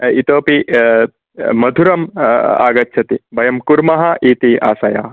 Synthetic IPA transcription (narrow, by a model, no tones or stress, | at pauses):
it̪oːpi | mɐd̪ʱuɾɐma̰ːɡɐtːt͡ʃʰɐt̪ibɐjɐmkuɾmɐɦɐʔiːt̪ia̰ːsɐja̰ː